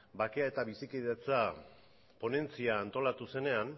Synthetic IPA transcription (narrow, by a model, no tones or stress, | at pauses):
bake̞ae̞t̪aβisikiðet͡sa | po̞ne̞nt͡siaːnt̪o̞lat̪use̞ne̞an